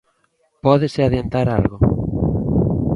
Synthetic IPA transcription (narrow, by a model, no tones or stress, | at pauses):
pɔðeseaðjent̪aɾalɣo